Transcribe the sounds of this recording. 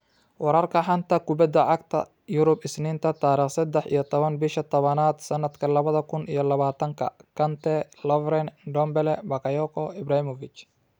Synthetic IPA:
wɑɾɐrkʰɐħɑnt̪ʰɐkʰʊbɐd̪ɐʕɑɡ̚t̪ʰɐ̰ | jʊɾʊbɪsnɪːnt̪ʰɐt̪ʰaːɾiːχsɐd̪ɛħḭjɔt̪ʰɔβɐnbɪʃɐt̪ʰɔβɐnaːd̪sɐnːɐd̪kʰɐlɐβɐðɐkʰʊnʔijɞlɐβaːt̪ʰɐŋkʰɐ̰kʰɐnt̪ʰɛ | lɔvɾɛnɖɔmbɛlɛbɐkɐjɔkʰɔɪbɾaːhɪmɔvɪt͡ʃ

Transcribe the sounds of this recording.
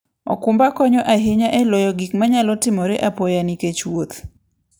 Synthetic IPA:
ɔ̰kʊmbakɔɲɔʔaɦeɲaʔɛlɔjɔɡikmaɲalɔtɪmɔɾeʔapɔjaniket͡ʃwot̪

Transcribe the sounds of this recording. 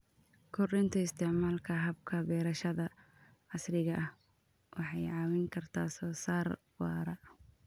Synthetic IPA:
kʰʊrɪnt̪ʰɐɪst̪ʰɛʕmaːlkʰɐɦɐb̚kʰɐbɛːɾɐʃɐðɐ | ʕɑsrɪɣɐʔɐh | wʔɑħɑjʕɑːwɪŋkʰɐrt̪ʰa̰ːsɔːsaːr | wɑ̰ːɾɐ

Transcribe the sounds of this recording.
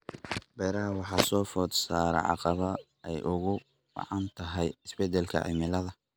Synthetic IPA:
bɛːɾɐɦɐwɑħɑːsɔːfɔːd̪saːɾɛ̰ʕɑ̰qɑβɐ | ɛjʔʊɣʊ | bɑ̰ʕɑnt̪ʰɐɦɛjɪsbɛd̪ɛlkʰɐ̰ʕɪ̰mɪlɐðɐ

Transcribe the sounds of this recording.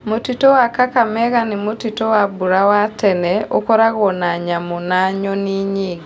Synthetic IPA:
motitowakakamɛɣanimotitowabuɾawatɛnɛokɔɾaɣɔnaɲamunaɲɔniɲi

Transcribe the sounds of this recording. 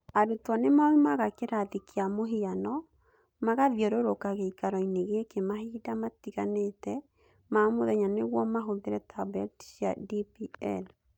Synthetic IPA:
aɾutwanemamimaɣakeɾaðikʰeamoɦianɔ | maɣaðjɔɾoɾokaɣeikaɾɔineɣekemahiːdamatiɣanetɛ | mamoðɛɲaneɣwɔmaɦoðeɾɛtʰabɛltsja̰dipiɛl

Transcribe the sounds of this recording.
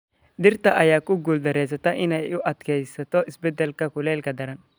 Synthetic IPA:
d̪ɪɾt̪ɐʔɐjakːʊɡʊld̪ɐɾeːsɐt̪ɐʔɪnɐʊʔɐt̪kejsːɐt̪ɔɪsbɛd̪ɛlkɐkʊleːlkɐd̪ɐɾɐn

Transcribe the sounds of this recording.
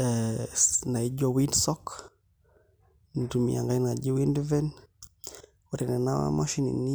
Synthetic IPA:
ɛ | naid͡ʒɔwindsɔk | nitumḭa̰ŋɡanad͡ʒiwindvɛn | uɾɛnɛnawa̰maʃinḭni

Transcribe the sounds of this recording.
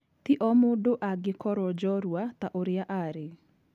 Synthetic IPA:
t̪iʔɔmodoʔaɡɪkɔɾɔd͡ʒɔɾwat̪aʔoɾɪaʔaɾɪ

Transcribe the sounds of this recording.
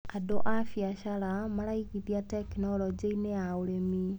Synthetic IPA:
adoʔafjaʃaɾamaɾaikiðjatekinɔlɔd͡ʒiineaoɾemi

